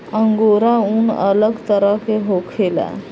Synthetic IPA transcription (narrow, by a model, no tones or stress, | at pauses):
ə̃ŋɡoːɾaʊnə̰ləɡt̪əɾəkeɦokʰelɛ̰ː